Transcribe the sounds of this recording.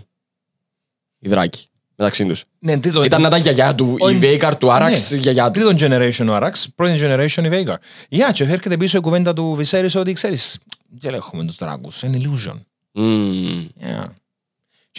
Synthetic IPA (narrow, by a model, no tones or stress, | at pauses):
iðɾɐ̰ci̥ | met̪ɐksind̪us | nent̪ɾit̪oit̪ɐnːɐt̪ɐʝɐʝɐt̪uivejkɐɾt̪uɐɾɐsʝɐʝɐt̪ɾit̪ond͡ʒeneɾeʃonuɐɾɐkspɾot̪ind͡ʒeneɾeʃonivekɐɾjɐt͡ʃefeɾcet̪ep̬isoik̬uvend̪ɐt̪̬uviseɾisot̪̬ikseɾis | c̪elexument̪uzt̪ɾa̰kṵseniluʒo̰n̩ | ja̰